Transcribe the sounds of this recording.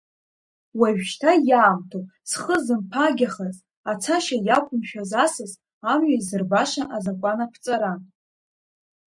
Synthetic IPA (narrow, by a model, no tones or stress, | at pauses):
waʒᶣʃtʰajaːmtʰopʼsχəzɨmpʰaɡʲaχaz | at͡sʰaʃajakʷʼʊmʃᶣazasɨz | amɥazɨrbaʂaʔazakʷʼanapʰt͡sʼaɾa